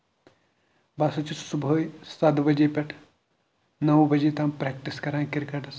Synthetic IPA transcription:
baːsot͡ʃʰissuboːjsɐd̪bɐd͡ʒepʲɛʈʰ | nɐwbɐd͡ʒet̪aːmpɾɛːk̚ʈiskɐɾãːkɪɾkɐʈɐs

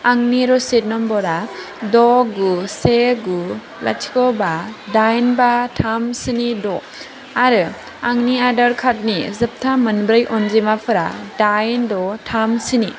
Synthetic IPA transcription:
aŋniɾɔset̚nɔmbɔɾa | dɔɡuseɡu | la̰tʰi̥kɔbadajnbatʰamsɯnidɔ | aɾɯ | aŋniadaɾkʰat̚nizɯp̚tʰamɯnbɾɯjʔɔnzimapʰɯɾadajndɔtʰamsɯni

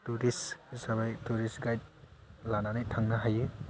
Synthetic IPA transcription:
tuɾisisaβajtuɾisɡajt̚lananajtʰaŋnaɦajɯ

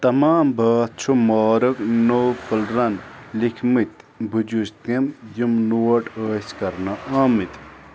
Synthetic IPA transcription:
t̪ɐmaːmbɐt͡ʃʰumɔːɾɐknowpəlɾɐnlikʰmɨt̪bʱud͡ʒust̪emjimnuwɐʈəːskɐɾnaʔaːmit̪

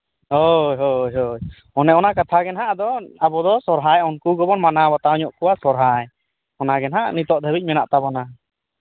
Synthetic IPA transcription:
ɦojɦojɦoj | ɔnɛɔnakat̪ʰaɡɛnɦaʔd̪ɔabɔd̪ɔsɔɾɦajɔnkuɡɔbɔnmanabat̪aɔɲɔʔkɔwasɔɾɦaj | ɔnaɡɛnɦaʔnit̪ɔʔd̪ʱəbic̚ˀmɛnaʔt̪abɔna

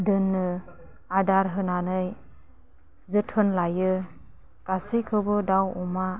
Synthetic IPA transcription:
dɯnːɯ | adaɾɦɯnanɯj | zɯtʰhɯnlajɯ | kasikʰɯbɯdawɔma

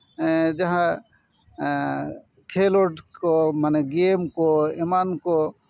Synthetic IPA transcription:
d͡ʒɐɦã | kʰeːloʈkomaneɡeːmkoemanko

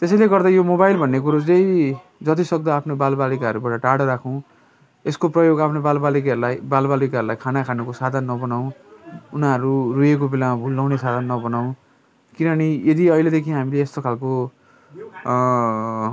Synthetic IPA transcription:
t̪esʌjleɡʌrd̪ajomobajlbʱʌnːekuɾud͡zlej | d͡zʌt̪̬isʌk̚d̪aːpʰnobalbalikaʌɾubaʈʌʈaɽʌɾakʰʌw̃ | eskoprʌjoɡapʰnobalbalikaʌɾulajbalbalikaʌɾulajkʰanakʰanukosad̪ʱanːʌbʌnaw̃unaʌɾurujek̬obilamabʱulːawnesad̪ʱanːʌbʌnaw̃ | kinʌnijed̪iʌjled̪ekʰĩɦamileːst̪okʰalko

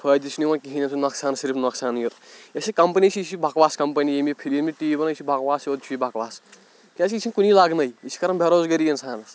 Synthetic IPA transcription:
pʰɐd̪it͡ʃʰniwãkiɦinetʰunɐksaːnsiɾipʰnɐksaːnjuɾjesikɐmpɐnisʰisibʱakʋaːskɐmpɐnijemipʰiɾjemiʈiːibɐnɐisʰibʱakʋaːsjod̪̚t͡ʃʰujibʱakʋaːs | kʲat͡ʃʰisʰinkunilaɡnɐjisi̥kɐɾɐnbʱeɾoːzɡɐɾijensʰaːn

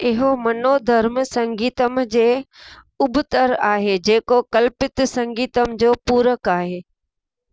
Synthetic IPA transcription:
ɪɦomɐnod̪ʱɐɾmsɐ̃ŋɡiːt̪əmd͡ʑeː | ʊbʊt̪əɾaːɦed͡ʑeːkokɐlpɪt̪sɐ̃ŋɡiːt̪əmd͡ʑoːpuːɾəkaːɦeː

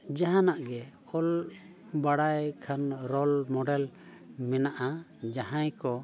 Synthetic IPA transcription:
d͡ʒaɦãnaʔɡɛ | ɔl | baɽajkʰanɾɔlmɔɖɛl | mɛnaʔa | d͡ʒaɦãjkɔ

